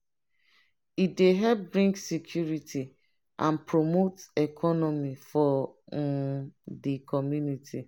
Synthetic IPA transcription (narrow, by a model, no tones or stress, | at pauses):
ideɦɛp̚bɹĩŋksikʰjuɾitʰi | ʔã̰npɹomotɛkʰɔnɔmifɔ | dikɔmjunitʰi